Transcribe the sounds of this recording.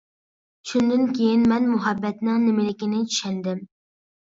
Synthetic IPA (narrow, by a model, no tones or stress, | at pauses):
t͡ʃʰund̪ɪnkʲʰejinmɛnmʊɦɛbːɛt̪nɪŋnɪmɪlɪkʲinɪt͡ʃʰy̥ʃɛnd̪ɪm